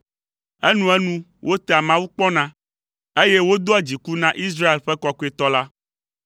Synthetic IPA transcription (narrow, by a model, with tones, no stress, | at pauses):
ɛ˦nũ˦ɛ˦nũ˦ | wʔo˦t̪ɛ˦˨a˨mã˦wu˦k͡pɔ˦nã˦ | e˦jɛ˦wo˦d̪o˦a˨d͡ʑi˨ku˦nã˦ʔi˦s̬ɾa˦e˨lɸɛ˦kɔ˦ko˦e˨t̪ɔ˦la˦